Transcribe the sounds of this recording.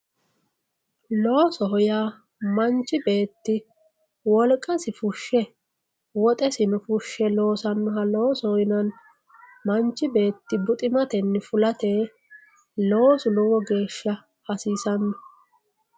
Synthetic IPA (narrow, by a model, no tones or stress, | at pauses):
lo̞ːsɔɦɔjaː | mɐnt͡ʃːɪbe̞ːt̪ːɪ | wɔlkʼːɐsɪfʊʃːɛ | wɔt̪ʼɛsɪnʊfʊʃːɛlo̞ːsɐnːɔɦɐloːsɔhɔjɪnɐn | mɐnt͡ʃːɪbe̞ːt̪ːɪbʊt̪ʼɪmɐt̪ɛnːɛfʊlɐt̪eː | lo̞ːsʊlɔwɔɡe̞ːʃːɐ | hɐsiːsɐnːɔ